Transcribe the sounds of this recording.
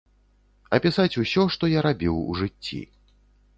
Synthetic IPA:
ɐpʲisat͡sʲusʲɔʂt̪ɔjaɾabʲiwṵʐɨt͡sʲːḭ

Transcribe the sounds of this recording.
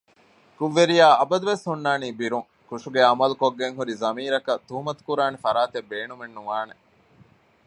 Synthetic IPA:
kuʋːeɾijaːɐbɐd̪uʋeshunːaːniːbiɾuŋ | kuʂuɡeɐmɐlukoɡːeŋɦuɾizɐmiːɾɐkɐt̪ːuɦumɐt̪u̥kuɾaːnefɐɾaːt̪ebːeːnumenːuʋaːne

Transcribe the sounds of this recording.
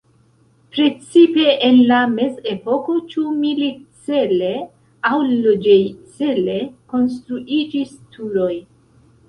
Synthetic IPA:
pɾe̞t͡sipe̞ʔenlame̞ze̞po̞ko̞t͡ʃumilit͡se̞le̞ | awlod͡ʒejt͡sele̞ko̞ns̬tɾuʔid͡ʒistʰuɾo̞j

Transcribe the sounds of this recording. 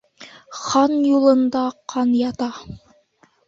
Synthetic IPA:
χɑnjulˠɤ̆nd̪ɑqʰɑnjɑt̪ɑ

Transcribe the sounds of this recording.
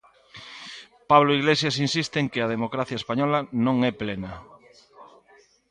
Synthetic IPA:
paβloiɣlesjasinsist̪eŋkɪað̞emokɾaθjaespaɲɔlanõŋɛplena

